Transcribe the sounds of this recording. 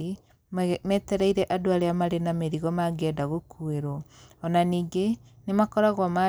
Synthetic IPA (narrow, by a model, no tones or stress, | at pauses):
mɛːtɛɾaiɾɛʔadoaɾeamaɾenameɾiɣɔmaɡɛːdaɣokʰueɾoɔnaniːŋɡe | nemakɔɾaɣwama